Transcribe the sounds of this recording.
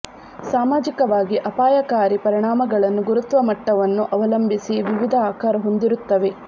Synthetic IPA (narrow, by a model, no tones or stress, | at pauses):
saːmaːd͡ʒikɐʋaːɡiʔɐpaːjɐkaːɾipɐɾiɳaːmɐɡɐɭɐnːuɡuɾut̪ʋɐmɐʈːɐʋɐnːuʔɐʋɐlɐmbʱisiʋiʋid̪ʱɐaːkaːɾɐɦo̞nd̪iɾut̪ːɐʋe̞